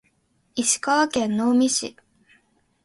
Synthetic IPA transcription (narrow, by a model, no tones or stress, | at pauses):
iɕi̥kaβakẽ̞nːoːmʲiɕḭ